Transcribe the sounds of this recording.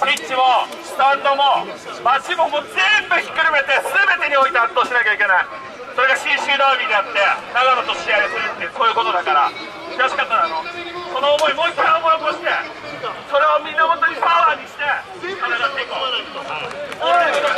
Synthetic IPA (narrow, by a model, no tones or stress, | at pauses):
it͡ɕːimo | nãnd̪omo | maɕimomozembɯ̟çi̥kːɯɾime̞t̪e̞sɨbe̞t̪e̞ɲ̟io̞it̪eat̪ːo̞ːɕinakʲaikʲe̞nai | so̞ɾe̞ɡaɕĩɕɨːd̪abʲid̪eat̪ːe̞naɡanat̪o̞ɕiaeseɾɯt̪ːeso̞ːjɯ̟ko̞t̪o̞d̪akaɾa | ɾaɕi̥kat̪ːaɾanoso̞no̞ːmo̞imo̞ikiɾaomoiokoɕi̥t̪e̞ | so̞ɾe̞omʲĩnːahõnt̪oɲ̟ipaβaːɲ̟iɕi̥t̪e̞ | soɾeɡ̪at̪ekaanaiked̪ookoo